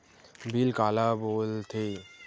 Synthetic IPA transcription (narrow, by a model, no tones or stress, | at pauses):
bilkaːlaboːlt̪ʰeː